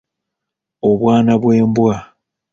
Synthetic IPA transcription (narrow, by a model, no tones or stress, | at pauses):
oβwaːnaβwe̞ːmbwa